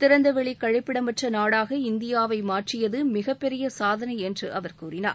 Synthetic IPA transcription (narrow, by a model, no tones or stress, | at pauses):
t̪ɪɾɐnd̪ɐʋɛɭikɐɻɪpːɪɽɐmɐʈrɐnaːɽaːɣɐɪnd̪ɪjaːʋɐɪmaːʈrɪjɐðɯmɪɣɐpːɛɾɪjɐsaːðɐnɐɪɛndrɯʔɐʋɐɾkuːɾɪna̰ːɾ